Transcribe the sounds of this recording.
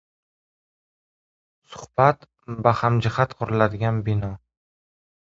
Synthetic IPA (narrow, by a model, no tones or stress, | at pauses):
sʊ̥hb̥at̪ | bahamd͡ʒɪhat̪qʰʊɾɪlad̪ɪɡʲanbɪnɒ